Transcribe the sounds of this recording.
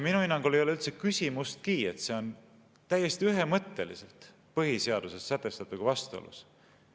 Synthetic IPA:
minuinːɑŋɡ̥olejo̞leylt̪se̞kysʲimust̪̚kiːe̞t̪se̞o̞n | t̪æjːe̞st̪iyɦemɤt̪ːe̞lḭse̞lt̪ | pɤɦise̞ɑd̪̥usesːæt̪ːˑe̞st̪ɑt̪ːˑuɡ̥vɑst̪o̰lṵs

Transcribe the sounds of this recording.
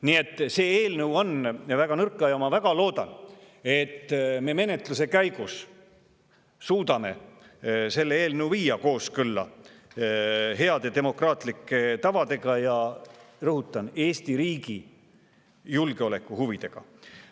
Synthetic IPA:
nie̞t̪ːse̞ːeːlnəwo̞nvæɡ̥ɑnɤrkːˑɑjɑmɑvæɡ̥ɑlo̞ːd̪̥ɑ̰n | e̞t̪ːme̞ːme̞ne̞t̪lus̬e̞kæjɡ̥us | suːd̪ɑme̞̰ | se̞lːeeːlnəwviːjɑko̞ːskɯlːɑ̰ | ɦe̞ɑd̪ed̪e̞mo̞krɑːt̪ˑlikːet̪ɑvɑd̪e̞ɡ̥ɑjɑrɤɦut̪ːˑɑne̞ːst̪iɾiːɡi | julɡeo̞le̞kˑːuhuvid̪̥e̞ɡ̥ɑ̰

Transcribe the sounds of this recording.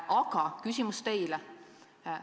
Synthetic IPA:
ʔɑɡ̥ɑkysʲimust̪e̞jlɛ

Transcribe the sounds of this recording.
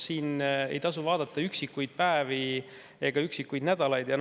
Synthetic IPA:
siːnḛjt̪ɑs̬uvɑːd̪̥ɑt̪ːˑɑyksikːujd̪̥̚pæevi | e̞ɡ̥ɑyksikːujd̪næd̪ɑlɑjd̪jɑn

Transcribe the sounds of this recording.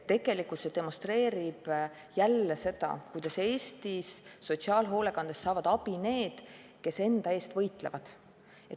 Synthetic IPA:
t̪e̞ɡ̥e̞likult̪se̞d̪e̞monst̪re̞ːɾib̥ | jælːese̞d̪ɑ̰kujd̪ɑse̞ːst̪isːo̞t̪siɑːlɦo̞ːle̞kɑnd̪̥esːɑːvɑd̪̥ɑb̥ine̞ːd̪̥ | ke̞se̞nd̪̥ɑe̞ːst̪vɤjt̪ˑlevɑ̰d̪̥ | e̞

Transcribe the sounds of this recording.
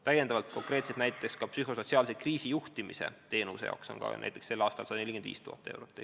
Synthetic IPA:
t̪æjend̪ɑvɑlt̪ko̞ŋkre̞ːt̪set̪næjt̪t̪ːekskɑpsyɦoso̞t̪ʲsiɑːlsekriːsijuht̪imḭse̞̰t̪e̞ːnusejɑ̰ːkso̞̰ŋkɑ̰næ̰jt̪ekse̞lːɑːst̪ɑ̰lsɑd̪ɑnelikend̪vḭːst̪uhɑ̰t̪ːˑɑe̞̰wɾot̪ːˑe

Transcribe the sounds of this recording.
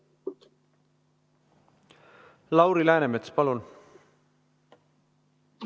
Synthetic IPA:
lɑwɾilæːnemet̪spɑlun

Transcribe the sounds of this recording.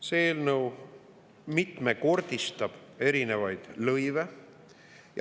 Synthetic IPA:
se̞ːlnɤw | mit̪ˑme̞ko̞rd̪̥ist̪ɑb̥e̞ɾine̞vɑjd̪̥lɤjve | j

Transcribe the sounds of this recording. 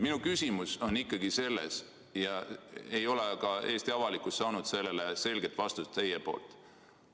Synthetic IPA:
minukysʲimuso̞nikˑːɑɡ̥ise̞lːḛs | jɑejo̞lekɑe̞ːst̪iɑvɑlikusːɑːnud̪̥se̞lːe̞lese̞lɡe̞t̪ːˑvɑst̪ust̪ːe̞jepo̞̰ːlt̪ˑ

